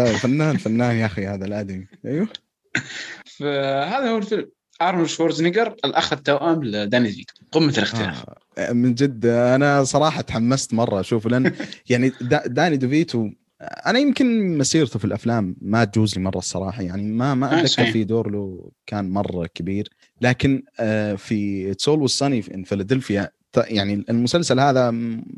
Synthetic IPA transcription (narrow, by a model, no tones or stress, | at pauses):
fanːaːnfanːaːnjaxihaːðalʔad̪amiʔajwa | fahaːðahuːɪlfɪlm | ʔɑɾˤmɪlʃoːɾznɪɡɑɾˤɪlʔaxat̪ːawʔamld̪aːnid̪vḭːt̪u̥qɪmːat̪lʔɪxt̪ɪlːa̰ | mɪnd͡ʒɪd̪ːʔanasˤɑɾˤɑːħɑt̪ħamːast̪mɑrˤːɑʃuːflanjaʕnid̪ad̪aːnid̪viːt̪u | ʔanajɪmkɪnmasiːɾt̪ufilʔaflaːmːat̪̚d͡ʒuːzlimɑrˤːɑsˤːɑ̰ɾˤɑːħɑjaʕnimamaʔad̪akːɪɾfid̪oːɾloːkaːnmɑrˤːɑkabiːɾ | laːkɪnfitsoːlwəsˤːɑnifʔɪ̰nfɪlad̪ɪlfɪjat̪jaʕniɪlmʊsalsalhaːða